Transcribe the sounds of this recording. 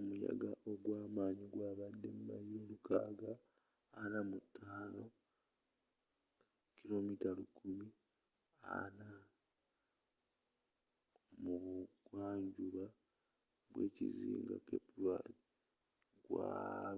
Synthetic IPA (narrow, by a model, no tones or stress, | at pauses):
omuja̰ɡaʔoɡwaːmaːɲiɡwaːβadːe̞mumajieɾukaːɡaː | namutʰːaːno̞ | kilo̞mitalukʰumi | a̰na | muɡwaːɲɟuβa | βwe̞̰ːciziːŋɡa̰kepulwai | ɡwa